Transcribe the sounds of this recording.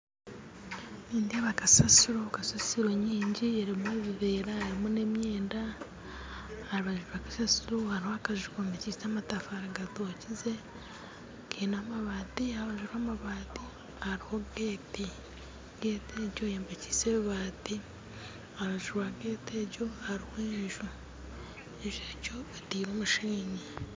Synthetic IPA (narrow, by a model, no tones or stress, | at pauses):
niːndiaβakasasiɾokasasiɾoɲiːɲɟieɾimueβiβeːɾaeɾimune̞mjeːnda | aɾiβaʒuɾwakasasiɾuhaɾihoakaʒuɾamecisaːmatafaɾaɡatocize̞ | kʰeːnaːmaβaːtiaβaʒuɾaːmaβaːti | haɾiho̞ɡeːti | ɡeːticojeːmbeci̥seββaːti | aβaʒuɾwaɡeːteːɟo̞haɾihweːʒu | eʒeːco̞etiːɾoːmuʃiːɲe